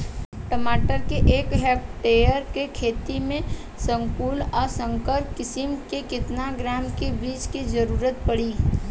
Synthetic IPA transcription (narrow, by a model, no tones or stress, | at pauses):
ʈəmaːʈəɾkeʔːkɦeːpʈejəɾkekʰeːt̪imẽ | sə̃ŋkuːlɔːɾsə̃ŋkəɾpkɪsɪmkekɪt̪naɡɾaːmkebiːt͡ʃkid͡ʒəɾuːɾət̪̚pəɽiː